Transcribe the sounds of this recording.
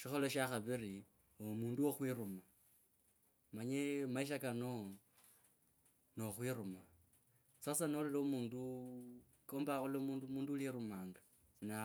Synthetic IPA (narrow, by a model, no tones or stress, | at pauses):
ʃixo̞loʃaxaβiri | omuːnduwoxwiɾuma | maɲemaiʃ̬akano | no̞xwiɾuma | sasanoleloumuːndu | koːmbaulomuːndumuːnduliɾumaːŋɡa | na